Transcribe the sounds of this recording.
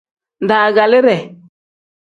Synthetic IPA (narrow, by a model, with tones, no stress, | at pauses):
nda˨ɡa˨lɪ˦ɾɛ˨